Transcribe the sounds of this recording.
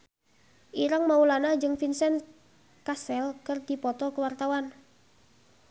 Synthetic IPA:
ʔiɾaŋmaulanad͡ʒɨŋfinsɛn | kasɛlkɨrdipɔt̪ɔkəwart̪awan

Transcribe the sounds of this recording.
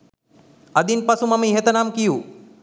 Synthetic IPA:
ɐd̪inpɐsumɐmĩɦet̪ɐnaːmkiju

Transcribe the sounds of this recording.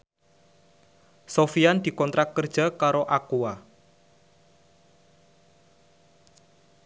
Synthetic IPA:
sofiand̪̥i̤kɔnt̪ɾak̪̚kərd̥ʒ̥a̤kaɾoʔakua

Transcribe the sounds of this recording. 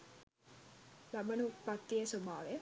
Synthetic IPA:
labɐnupat̪ːiesobaːʋe

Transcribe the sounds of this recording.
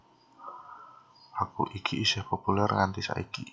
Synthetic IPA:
ʔakuʔikʰiːsɛhpopulɛrŋant̪isa̰ʔiki

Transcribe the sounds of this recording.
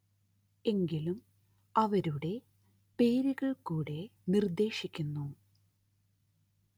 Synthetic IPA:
e̞ŋɡilum | ɐʋɐɾuɽe̞ | pe̞ːɾiɣɐɭkuːɽe̞nird̪e̞ːʂikʲːunːu

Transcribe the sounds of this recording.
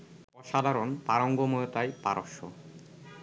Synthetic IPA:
ɔʃad̪ʱaɾonpaɾoŋɡomojot̪ajpa̰ɾʔo̰ʃo̰

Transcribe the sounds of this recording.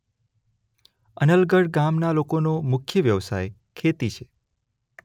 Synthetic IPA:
ənəlɡəɽɡamnalokonomʊkʰjəʋjəʋsa̰j | kʰet̪it͡ʃʰe

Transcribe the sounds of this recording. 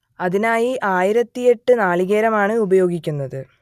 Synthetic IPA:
ɐðinaːjiʔaːjiɾɐt̪ːije̞ʈːɨnaːɭiɣeːɾɐmaːɳɨubɐjo̞ːɡikʲːunːɐðɨ

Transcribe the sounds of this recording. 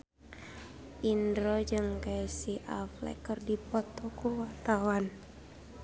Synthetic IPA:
ʔindɾod͡ʒɨŋkaisiʔaflɛ̰kərdipɔt̪ɔkuwat̪awan

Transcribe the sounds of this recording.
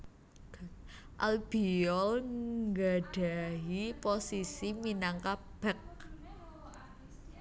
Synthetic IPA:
ʔa̰lb̥iɔlŋɡaɖ̥a̤ɦiposisiminaŋka | b̥ɛk̚

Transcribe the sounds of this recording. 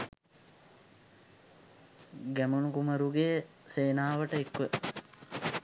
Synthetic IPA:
ɡæmunukuməɾuɡejə | seːnaːʋəʈəekːʋə

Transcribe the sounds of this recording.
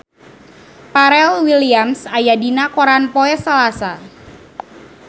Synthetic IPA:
paɾɛlwiliamsajadinakoɾanpoɛsəlasa

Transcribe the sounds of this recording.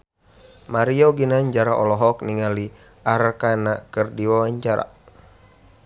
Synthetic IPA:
maɾiɔɡinaɲd͡ʒaɾaʔɔlɔɦɔk̚niŋali | aɾkanakɨrdiwawaɲd͡ʒaɾa̰

